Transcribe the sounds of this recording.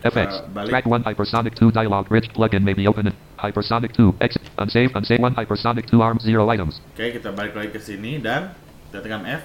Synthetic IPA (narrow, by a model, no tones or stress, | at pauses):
ɛfɛ̰ktsbaɹ̥æk̚wʌ̃naɪpəsɑɾɨk̚tʰudajəlɔɡɹɪt͡ʃpʰlʌɡɨ̃nmeɪbioʊpə̃nɨ̃n | haɪpəsɑɾɨk̚tʰuʔɛksʔə̰̃nseɪvə̃nseɪwʌ̃naɪpəsɑɾɨk̚tʰuɑɹmziɹoʊaɪɾə̃mz̥kajakit̪abalɪk̚laɪkːəsinidan | t̪ɛt̪kamɛf